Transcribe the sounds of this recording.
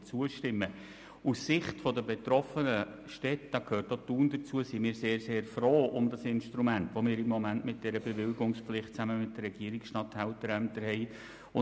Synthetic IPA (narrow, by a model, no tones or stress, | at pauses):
t͡suəʃtɪmːə | ussɪχtfɔdəbet̪ɾɔfənə | ʃtɛtd̥ɑkʰhøːtotuːndət͡suəsimɪːɾseːɾseːɾfroːʔʊmdɑsɪnʃtɾumæntʋomɪːɾɪmːɔmæntmɪt̚d̥ɛɾəbeʋɪlɡʊŋspflɪχt̚t͡sæməmɪt̚d̥əɾːɛɡ̥iəɾɪksʃtɑthæʊtəɾæmtəɾɦɛɪ | ʊ